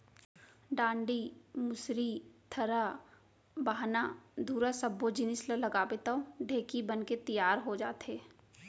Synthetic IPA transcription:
ɖãːɳɖimʊsɾit̪ʰɐɾa | baːɦnad̪ʱuːɾasɐbːod͡ʒɪnɪsləlɐɡaːbet̪aoɖʱeːkibənket̪ijaːɾɦod͡ʒaːt̪ɦeː

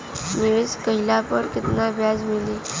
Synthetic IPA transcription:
miɭit͡skəɦilapəɾkit̪nabʱjad͡zmili

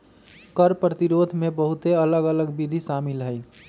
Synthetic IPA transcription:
kəɾpɾət̪iɾod̪ʱmebəɦut̪eələɡələɡbid̪ʱisamilɦəɪ

